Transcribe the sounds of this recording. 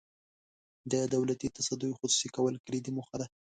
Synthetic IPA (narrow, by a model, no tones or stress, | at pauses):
d̪əd̪awlat̪it̪asad̪ujxʊsu̥sikawəlkəɾid̪imʊxad̪a